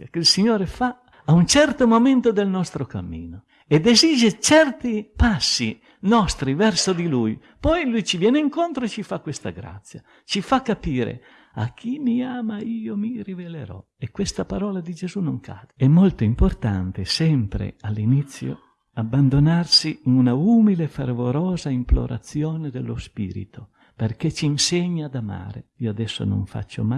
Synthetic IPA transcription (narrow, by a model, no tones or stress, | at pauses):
jakeilsiɲoːɾefa | aunt͡ʃɛrt̪omoment̪od̪elnɔst̪ɾoka̰mːḭːno | ed̪ezid͡ʒet͡ʃɛrt̪ipasːi | nɔst̪ɾivɛrsod̪iluj | pɔjlujt͡ʃivjɛːneiŋkont̪ɾoet͡ʃifakːwest̪a̰ɡɾa̰t̪sːja̰ | t͡ʃifakːapiːɾḛ | a̰k̟ʰːimiaːmaiːomirivelḛɾɔ̰ | ekwest̪apaɾɔːlad̪id͡ʒezunoŋkʰa̰ːd̪eɛmːolt̪oimport̪ant̪esɛmpɾḛalːinit̪sːjo̰ | abːand̪onarsiːnunaumilefervoɾɔːzaimplo̰ɾʔa̰t̪sːjoːned̪elːospḭːɾḭt̪o | perket͡ʃiːnseɲːad̪ama̰ːɾḛiːoad̪ɛsːo̰no̰ɱfa̰t͡ʃːo̰ma